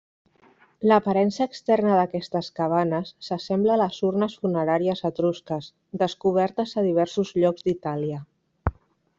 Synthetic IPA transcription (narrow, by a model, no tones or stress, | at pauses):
ləpaɾɛnsəːkst̪ɛrnəðəkɛst̪əskaβ̞anəsːəsɛmbləːləzurnəsfunəɾaɾiəzət̪ɾuskəs | d̪əskuβ̞ɛɾt̪əzəðiβ̞ɛɾsuzʎɔɡzd̪it̪aliə